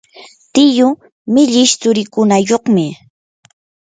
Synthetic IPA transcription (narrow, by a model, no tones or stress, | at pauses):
t̪ɪjʊ | mɪʎɪʃt͡sʊɾɪkʊnajoχmɪ